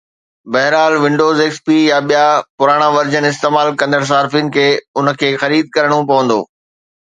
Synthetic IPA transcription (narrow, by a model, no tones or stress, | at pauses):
bɐɦɾaːlʋɪ̃ɳɖoːzeːkspijaɓijapʊɾaːɽ̃aʋɐɾd͡ʑənɪst̪eːmaːlkɐ̃nd̪əɽ̃s̬aːɾfinɪ̆kʰeːʊnə̆kʰeːxɐɾiːd̪̚kɐɾəɽ̃õpɐʋə̃nd̪o̰ː